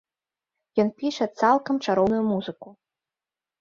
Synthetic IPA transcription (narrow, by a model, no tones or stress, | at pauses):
jɔnpʲiʂɐt̪salˠkɐmt͡ʂaɾɔwnujumuzɨku